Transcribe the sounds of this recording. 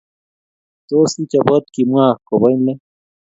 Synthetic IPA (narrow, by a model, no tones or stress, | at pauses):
t̪osit͡ɕabɐt̪kimuaːkobajnle